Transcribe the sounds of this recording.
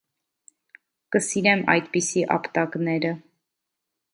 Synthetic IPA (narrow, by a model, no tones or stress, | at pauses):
kəsiɾɛmɑ̰jd̪pisiʔɑ̰pt̪ɑknɛɾə